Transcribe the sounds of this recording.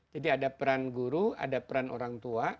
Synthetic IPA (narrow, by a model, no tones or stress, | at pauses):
d͡ʒadiadapəɾanɡuɾua̰dapəɾano̰ɾaŋt̪ua